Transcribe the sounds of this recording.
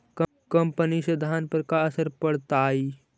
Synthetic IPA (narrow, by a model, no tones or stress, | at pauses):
k | kɐmpəniʃəd̪ʱaːnpəɾkaɐsəɾpəɽt̪aːi